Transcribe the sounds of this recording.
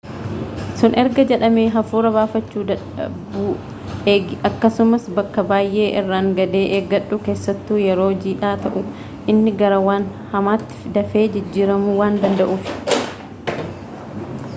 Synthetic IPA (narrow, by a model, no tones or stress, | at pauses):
sʊnʔɛɾɡɐd͡ʒɛᶑɐmeːɦɐfuːɾɐbaːfɐt͡ʃːuːd̪ɐ | b | ɐkːɐsʊmɐsbɐkːɐbaːjʔe̞ːʔɪrːaːŋɡɐd̪e̞ːʔeːɡɐᶑːʊkeːsːɐt̪ːuːjɛɾo̞ːd͡ʒiːᶑaːt̪ɐʔʊ | ʔɪnːɪɡɐɾɐwaːn | hɐmaːt̪ːɪ̥fd̪ɐfe̞ːd͡ʒɪd͡ʒːiːɾɐmʊwaːnd̪ɐnd̪ɐʔuːfɪ̥